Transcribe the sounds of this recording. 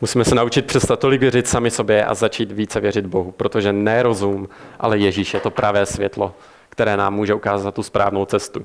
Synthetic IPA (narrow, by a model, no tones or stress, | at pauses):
musiːmɛsɛnaut͡ʃɪt̪̚pr̥ɛst̪at̪̚ːo̞lɪkvjɛrɪt̪samɪso̞bjɛʔa̰zat͡ʃiːt̪viːt͡sɛvjɛr̝ɪd̪bo̞ɦupɾo̞t̪o̞ʒɛnɛɾo̞zumʔa̰lɛjɛʒiːʃjɛt̪o̞pɾʔavɛːsvjɛt̪lo̞ | kt̪ɛɾɛːnaːmːuːʒɛukaːzat̪ːuspɾa̰ːvno̞wt͡sɛst̪u